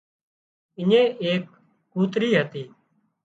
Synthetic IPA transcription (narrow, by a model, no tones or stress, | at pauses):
ɪɲẽːʔeːkː | uːt̪ɾiːɦət̪iː